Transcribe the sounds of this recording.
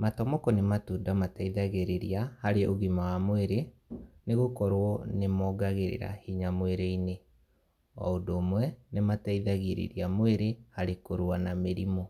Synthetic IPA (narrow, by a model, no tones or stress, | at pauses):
matɔmɔkɔnematuːndamataiðaɣeɾeɾiahaɾeʔoɣimawamoeɾeneɣokɔɾwɔnemɔɡaɣeɾḛɾa̰hiɲamweɾeine | ɔ̰odoːmwɛnemataiðaɣeɾḛɾiamweɾehaɾekoɾwanameɾimɔ